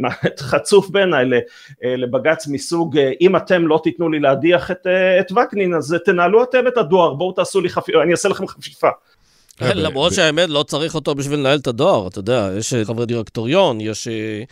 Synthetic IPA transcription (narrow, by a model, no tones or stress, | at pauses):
maet̪χat͡sufbe̞ːnajle | lebaɡat͡smisuɡʔimat̪e̞mlo̞t̪it̪nulileadiaχet̪eːt̪vakninazt̪e̞naːluat̪e̞metadoaʁbowt̪aːsuliχafianiaselaχemχafifa | lamʁodʃeaemed̪lo̞t͡saʁiχo̞t̪o̞biʃvilenaelt̪adoaʁat̪ojod̪eajeʃχavediʁekt̪oʁjo̞njeʃe